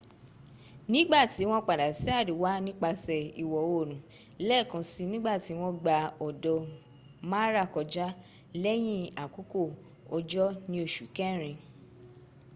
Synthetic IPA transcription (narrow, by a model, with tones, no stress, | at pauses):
nĩ˦ɡ͡ba˦˨ti˨˦w̃ɔ̃˧k͡pa˨da˨si˨˦a˦˨du˨wa˦nĩ˦k͡pa˧sɛ˨i˨wɔ˨o˦˨ɾ̃ũ˨ | lɛ˦˨kã˨˧˦si˧nĩ˦ɡ͡ba˦˨ti˨˦w̃ɔ̃˧ɡ͡ba˧ɔ˨dɔ˧ | mã˦ɾa˦˨kɔ˧d͡ʒa˦ | lɛ˦j̃ĩ˦˨a˨ku˦ko˦˨ | ɔ˧d͡ʒɔ˦nĩ˦o˧˨ʃu˨kɛ̃˦˨ɾ̃ĩ˧